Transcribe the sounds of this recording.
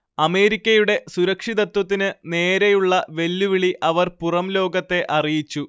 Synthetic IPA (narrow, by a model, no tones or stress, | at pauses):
ɐme̞ːɾikʲːɐjuɽe̞suɾɐkʂiðɐt̪wɐt̪̬ːinɨne̞ːɾejuɭːɐʋe̞lːuʋiɭiʔɐʋɐrpurɐmlo̞ːɡɐt̪ːe̞ʔɐrijit͡ɕːu